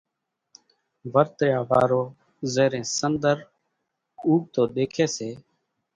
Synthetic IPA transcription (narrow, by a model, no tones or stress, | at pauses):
ʋəɾt̪ɾjaːʋa̰ːɾoː | zeːɾẽːsənd̪əɾ | uːɡ̚t̪oːɗ̪eːkʰeːseː